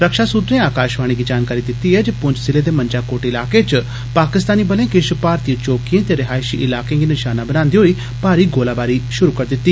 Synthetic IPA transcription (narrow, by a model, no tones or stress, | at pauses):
ɾəkʃaːsʊt̪ɾẽːaːkaːʃʋaːɽ̃iːɡiːd͡ʒaːnkaːɾiːd̪ɪt̪ːiːɦɛːd͡ʒeːpʊ̃ɲd͡ʒsɪleːd̪eːmə̃ɲd͡ʒaːkoːʈːɪlaːkeːt͡ʃ | paːkɪst̪aːniːbəlẽːkɪʃpaːɾt̪iə̃t͡ʃoːkijẽːt̪eːɾɪɦaːɪʃiːʔɪlaːkẽːɡiːnɪʃaːnaːbənãːnd̪iːɦoːiː | paːɾiːɡoːlaːbaːɾiʃʊɾuːkəɾd̪ɪt̪ːiː